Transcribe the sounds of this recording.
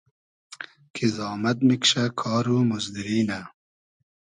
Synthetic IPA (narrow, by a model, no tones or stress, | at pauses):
kʰizɑːmɐt̪̚mikʃakʰɑːɾumuzd̪iɾiːna